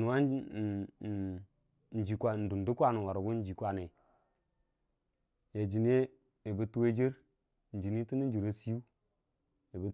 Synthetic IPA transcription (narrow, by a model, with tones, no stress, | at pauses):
nu˨wa˦˨ | n˨d͡ʒi˨kʷa˨n̩˨du˨ndu˦kʷa˦˨nu˨wa˨ɾu˨ɡu˦n˦d͡ʒi˨kwa˨ne˨ | ja˨d͡ʒi˨n˦e˦ | e˨bə˦tu˦we˦d͡ʒi˦ɾ | n˨d͡ʒi˨ni˦ti˦ni˦d͡ʒi˨ɾo˦si˦u˦ | e˨bə˦